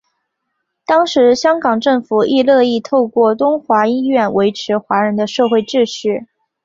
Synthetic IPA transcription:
t̪ɑ˥ŋʂɻ̩˧˥ɕjɑ˥ŋkɑ˨˩ŋʈ͡ʂɤ˥˩ŋfu˨˩i˥˧lɤ˥˧i˥˧t̪ʰo˥˧ʊkwɔ˥˩t̪ʊ˥ŋxwa˧˥i˥nɥɛ˥˩nwe˧˥ɪʈ͡ʂʰɻ̩˧˥xwa˧˥ɻə˧˥nd̪ə˧ʂɤ˥˧xwe˥˧ɪʈ͡ʂɻ̩˥˧ʂɻ̩˥˩

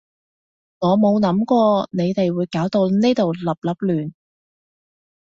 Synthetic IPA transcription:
ŋɔː˨˧mo˨˧wnɐ˨˥mkʷɔː˧ne˨˧jt̪e˨jwuː˨˧jkaː˨˥wt̪o˧wne˥t̪o˨wlɐ˨p̚lɐ˨˩p̚lyː˨˩n

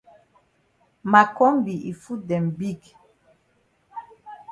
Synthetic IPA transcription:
ma˨kɔ˦mbi˨i˨fu˦dɛ˨m˨bi˦ɡ

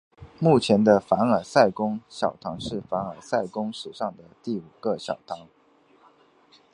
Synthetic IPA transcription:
mu˥˩t͡ɕʰjɛ˧˥nd̪ə˧fa˧˥nə˞˨˩sa˥˩ɪkʊ˥ŋɕjɑ˨˩ʊt̪ʰɑ˧˥ŋʂɻ̩˥˩fa˧˥nə˞˨˩sa˥˩ɪkʊ˥ŋʂɻ̩˨˩ʂɑ˥˩ŋd̪ə˩t̪i˥˩u˨˩ɡ̥ə˧˦ɕjɑ̰˨˩ʊt̪ʰɑ˧˥ŋ

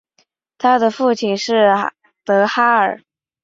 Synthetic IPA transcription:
t̪ʰa˥d̪ə˨fu˥˩t͡ɕʰi˨˩nʂɻ̩˥˩ | t̪ɤ˧˥xa˥ə˞˨˩

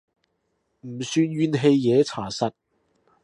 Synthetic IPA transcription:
m̩˨˩syː˧nɥyː˧nɦe˧jːɛː˨˧t͡sʰaː˨˩sɐ˨t̚

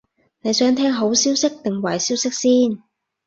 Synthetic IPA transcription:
ne˨˧jsœː˨˥ŋt̪ʰɛː˥ŋɦo˨˥wsiː˥wsɪ˥k̚t̪ɪ˨˩ŋwɐ˨˩jsiː˥wsɪ˥k̚siː˥n

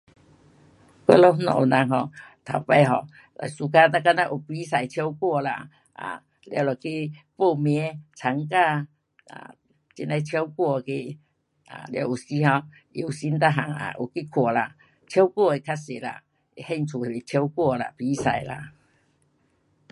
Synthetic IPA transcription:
ka̰˧˦lɔ˧˦nɔ̰˨ʔna˧ŋɦɔ˧˩t̪ʰa˨˩wpa˧˦ɦɔ˧˩ | lʔa̰˨jsu˧ka˦na˧ka˧˦na˦˧ʔu˨˩pi˨˦sa˨jt͡ɕʰjɔ˧˦wkwɔ˥˧la̰˧ | a̰˨ | lja˧wlɔ˨ki˦po˥˧˨mjɛ˧˦t͡sʰa˨˦ŋka˧ | a̰˨ | t͡ɕi˧nla˧jt͡ɕʰjo˦wkwɔ˥˧˨ki˧ | a̰˨lja̰˧˩ʔu˨˩si˦ɦɔ˧ | i˨u˨˩si˦nt̪a˧ɦa˨˩ŋa̰˧˨ʔṵ˨˩ki˦˧kʰwɔ˨˩la˧ | t͡ɕʰjo˦wkwɔ˥˧˨e˨kʰa˦se˨˩la̰˧˨ | hɛ˥˧˨nt͡sʰu˨˩e˨˩be˨˩t͡ɕʰjo˧˦wkwɔ˥˧la̰˨˧˨pi˧˦sa̰˨˩jla̰˧

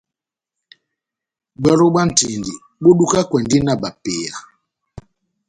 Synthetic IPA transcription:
ɡ͡bɛ˦ɾo˦ɓa˦n̩˨ti˨ndi˨ | ɓo˦ɗu˦ka˦kwɛ˨ndi˦na˨ɓa˨pe˨a˨

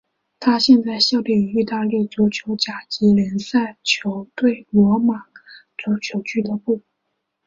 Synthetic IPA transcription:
t̪ʰa˥ɕjɛ˥˧nt͡sa˥˧ɪɕjɑ˥˧ʊlji˥˩y˧˥i˥˧t̪a˥˧ljɛ˥˩t͡su˧˥t͡ɕʰjo˧˥ʊt͡ɕja˨˩t͡ɕi˧˥lə˧˥nsa˥˩ɪt͡ɕʰjo˧˥ʊt̪we˥˩ɪlwɔ˧˥ma˨˩t͡su˧˥t͡ɕʰjo˧˥ʊt͡ɕʰy˥˩d̪ə˨pu˥˩

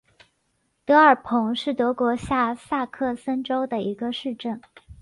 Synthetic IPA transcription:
t̪ɤ˧˥ə˞˨˩pʰʊ˧˥ŋʂɻ̩˥˩t̪ɤ˧˥kwɔ˧˥ɕja˥˧sa˥˧kʰɤ˥˩sə˥nʈ͡ʂo˥ʊd̪ə˨i˧˥ɡə˧ʂɻ̩˥˧ʈ͡ʂə˥˩n

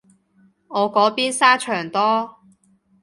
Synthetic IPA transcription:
ŋɔː˨˧kɔː˨˥piː˥nsaː˥t͡ʃʰœː˨˩ŋt̪ɔː˥

